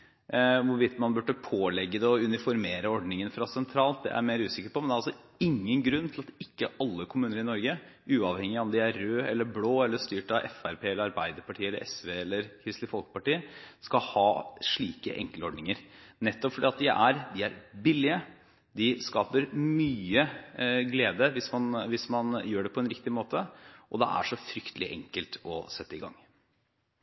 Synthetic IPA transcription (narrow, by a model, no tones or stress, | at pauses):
ʋʊɾʋɪt̪ːmɑnbʉʈːəpʰoːlɛɡːəd̪ɛɔʉnɪfɔɾmeːɾəɔɖnɪŋənfɾɑsɛnt̪ʰɾɑːlt̪̚d̪ɛ̰ʔæ̰ɾmeːɾʉːsɪkəpɔmɛnd̪ɛɾɑlsɔ | ɪŋːənɡɾʉnːt̪ʰɪlɑt̪ɪkːəɑlːəkʰʊmʉːnəɾɪnɔɾɡə | ʔʉːɑʋhɛŋːɪɔmd̪ɪæːøːɛlːəɾbloːɛlːəst̪yːʈɑʔɛ̰fæɾpʰeːɛlːəɾɑɾbæɪd̪əɾpɑʈʰiːɛlːəɾʔɛsʋeːɛlːəɾkʰɾɪst̪lɪfɔlkə̥pɑʈiːəskɑhɑːʂɭḭːkə̰ʔɛ̰ŋkəlɔɖnɪŋəɾnɛt̪ːɔpfɔɖiːɑt̪̚d̪ɪʔæɾd̪ɪæɾbɪlːɪə | d̪ɪskɑːpəɾmyːəɡleːd̪əʋɪsmɑnʋɪsmɑnjøːɖɛpʰɔɛnɾɪkt̪ɪmoːt̪əʔɔd̪ɛ̰ʔæ̰ʂɔfɾʏkt̪ʰəlɪʔɛ̰ŋkəlt̪ʰɔsɛt̪ːəɪɡɑ̰ŋː